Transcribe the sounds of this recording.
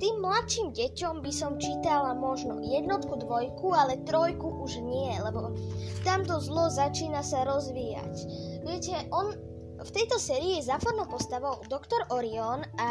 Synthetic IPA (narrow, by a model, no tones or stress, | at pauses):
t̪iːmːlat̪ʃiːmɟɛcɔmbisɔmt͡ʃiːt̪alamɔʒnɔ̰jɛd̪nɔt̪kud̪ʋɔjkualɛt̪ɾɔjkuʔuʒɲɪɛlɛbɔt̪amt̪ɔzlɔzat͡ʃiːnasaɾɔzʋiːja̰cʋɪɛcɛʔɔn | ft̪ɛjt̪ɔsɛːɾiːɛzaːfɔɾnɔpɔst̪aʋɔʊd̪ɔkt̪ɔɾɔɾiɔna